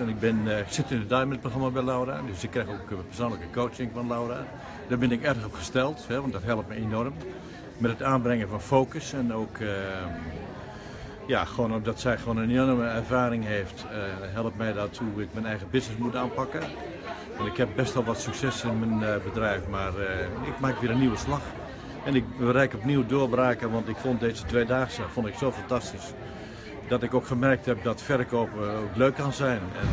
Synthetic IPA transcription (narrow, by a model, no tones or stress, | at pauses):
ɛnɪk̚bɪnksɪtɪnədɔjmɛnət̚proxramabɛlawɾa̰døsɪkːrɛxoːkpɛrsoːnləkəkoːt͡ʃɪŋfɔnlawra | daːbɪnɪkɛrdəɣɔpxəstɛlˠthɛʋɔntdɔtɦɛlˠəp̚mɛjenɔrm | mɛtətaːnbrɛŋəfɔnfoːkəsɛnoːkə | jaxʋoːnɔp̚dɔtsɛjxʋoːnənorməɛrvaːɾɪŋɦeːftɦɛlˠəpmɛjdɔthuɪk̚mɛnɛjɣəbɪsnɪsmutaːnpakə | ɛnɪkhɛp̚bɛstʋɔlˠʋɔtsyksɛsɪnmənbədrɛjfmarɪk̚maːkʋiəɾənːiwəslax | ɛnɪk̚bəɾɛjkɔpniwdoəbɾaːkəʋɑntɪkfondeːzətʋeːdaːɣəsəfondɪksoːfantastis | dɔtɪkokχəmɛrk̚thɛp̚dɔtfɛrkoːpokløːkːɔnzɛjnɛn